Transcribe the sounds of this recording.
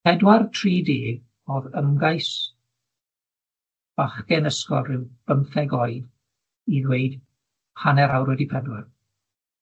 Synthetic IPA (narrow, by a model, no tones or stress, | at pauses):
pʰɛdwartʰriːdiːɡ | ɔðəmɡajs | b̥aχɡɛnəskɔlːɪwb̥əmθɛɡɔɨd | iðweɨd̥ | hanɛɾawɾwɛdipʰɛdwar